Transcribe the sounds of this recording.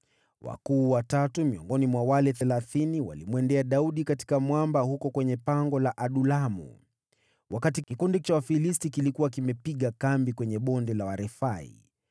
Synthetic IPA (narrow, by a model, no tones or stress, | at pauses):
wa̰kuːwatatumiɔŋɡɔnimwawalɛθɛlaθiniwa̰limwɛndɛaɗauɗikati̥kamwambahukɔkwɛɲɛpaŋɡɔlaʔaɗulamṵ | wakatikikundit͡ʃawafilistikilikuwakimɛpiɠakambikwɛɲɛɓɔndɛlawaɾɛfaḭ